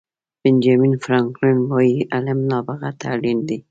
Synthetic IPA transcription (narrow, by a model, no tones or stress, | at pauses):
b̥ɪnd͡ʒɑminfɾɑŋklɪnwɑjiʔalɪmnɑbaɣat̪ʰalind̪i